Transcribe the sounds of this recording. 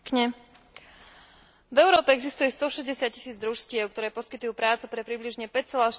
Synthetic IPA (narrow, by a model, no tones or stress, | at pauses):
kɲɛ | vɛʊɾɔːpɛɛɡzist̪ujɛst̪ɔʃɛzɟɛsɪat̪̚ci̥siːd͡zd̪ɾuʃscɪɛʊk̚t̪ɔɾɛːpɔskit̪ʊjuːpɾaːt͡supɾɛpɾibliʒɲɛpɛct͡sɛlaʃ